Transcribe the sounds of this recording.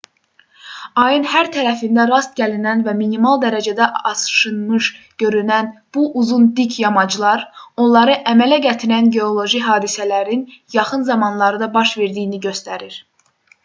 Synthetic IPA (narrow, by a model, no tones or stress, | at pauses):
ɑjɯnhæɾt̪ʰæɾæfind̪æɾɑst̪̚ɟælinænvæminimɑlˠd̪æɾæd͡ʒæd̪æʔɑsɯ̥ʃɯnmɯʃ | ɟ̥ø̞ɾynænb̥uʔuzund̪icʰjɑmɑd͡ʒlˠɑɾo̞nlˠɑɾɯʔæmælæɟæt̪ʰiɾænɟe̞o̞lˠo̞ʒiɦɑːd̪isælæɾinjɑχɯnzɑmɑnlˠɑɾɯd̪ɑbɑʃve̞ɾd̪ijːniɟø̞st̪æɾiɾ